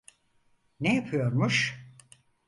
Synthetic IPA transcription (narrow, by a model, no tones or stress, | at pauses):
nejapʰɯjo̞ɾmuʃ